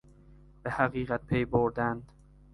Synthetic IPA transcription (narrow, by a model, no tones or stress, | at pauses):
b̥ehæɣiːɣæt̪̚pʰejboɾd̪ænd̪